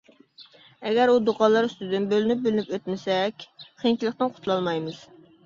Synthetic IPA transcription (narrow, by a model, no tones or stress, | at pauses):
ɛɡʲæɾud̪oqʰɑlˠɑɾyst̪ɪd̪ɪnbølynyp̚bylɪnypøt̪mɪsɛkʲχʰeŋt͡ʃʰilˠəqt̪ɨnqʰʊ̥t̪ʰulˠɑlˠmɑjmɨz̥